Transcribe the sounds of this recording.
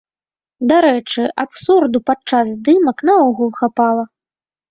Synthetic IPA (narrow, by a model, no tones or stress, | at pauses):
d̪aɾɛt͡ʂɨʔapsurd̪upat͡ʂːazd̪ɨmɐknɐɔɣulˠxapalˠɐ